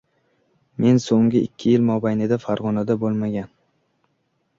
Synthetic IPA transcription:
me̞nsoŋɡʲɪɪ̰kʲʰːɪjɪlmɒbajnɪd̪afaɾʁɒnad̪abolˠmaɡʲan

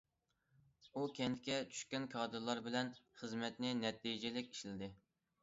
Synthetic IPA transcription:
ukʲɛnd̪ɪkʲɛt͡ʃʰy̥ʃkʲɛnkʰɑːd̪ɨɾlˠɑɾbɪlɛnχəzmɛt̪nɪnɛt̪ʰːijd͡ʒɛlɪkʲi̥ʃlɪd̪ɪ

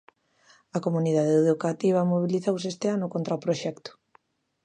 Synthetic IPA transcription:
ɐkomuniðað̞eeðukat̪iβ̞ɐmoβ̞iliθows̬est̪eanʊkont̪ɾaopɾoʃɛkt̪ʊ̥

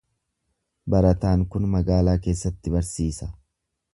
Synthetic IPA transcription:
bɐɾɐt̪aːŋkʊnmɐɡaːlaːke̞ːsːɐt̪ːɪbɐɾsiːsɐ̥

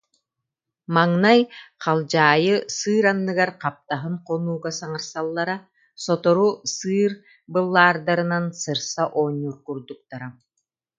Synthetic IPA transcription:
maŋnajqalˠd͡ʑaːjɯsɯːɾanːɯɡaɾqap̚t̪aɦɯnqɔnuːɡasaŋaɾsalˠːaɾa | sɔt̪ɔɾusɯːɾ | bɯlˠːaːɾd̪aɾɯnansɯɾsaʔɔːɲːuɾkuɾd̪uk̚t̪aɾa

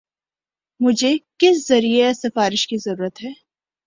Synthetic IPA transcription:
mʊd͡ʒʱekɪszɐɾiesɐfaːɾɪʃkizɐɾuːɾət̪ɦɛː

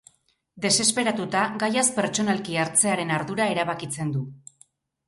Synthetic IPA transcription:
d̪e̞se̞spe̞ɾat̪ut̪aɡajaspe̞ɾt͡ʃo̞nalkiaɾt͡se̞aɾe̞naɾðuɾae̞ɾaβakit͡se̞nd̪u

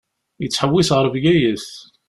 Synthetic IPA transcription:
jət͡sːħəwːisʁəɾˤvjæjəs

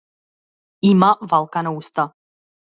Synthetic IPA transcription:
imavalˠkanaust̪a

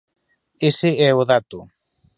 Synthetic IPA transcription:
eseɛoðat̪u

